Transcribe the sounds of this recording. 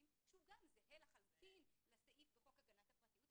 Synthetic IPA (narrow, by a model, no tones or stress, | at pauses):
im | ʃeuɡamzeɦelaχalut̪inlesaʔifbeχokaɡanat̪hapʁɐt̪ijut̪